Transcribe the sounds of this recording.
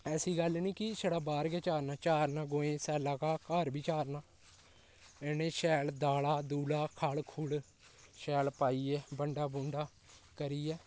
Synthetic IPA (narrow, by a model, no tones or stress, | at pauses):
ɛːsiːɡəlːniːkɪsəɽaːbaːɾɡɛːt͡ʃaːɾnaːt͡ʃaːɾnãːɡoːẽːsɛːlaːkaːkəɾbiːt͡ʃaːɾnaː | ɛːneːʃɛːld̪aːlaːd̪uːlaːkʰaːlkʰuːl | ʃɛːlpaːiːɛːbəɳɖaːbʊ̃ɳɖaː | kəɾiːɛː